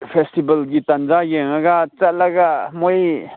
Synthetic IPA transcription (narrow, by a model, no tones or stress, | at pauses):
pʰestibɐlɡitanzajeŋaɡat͡salaɡamoj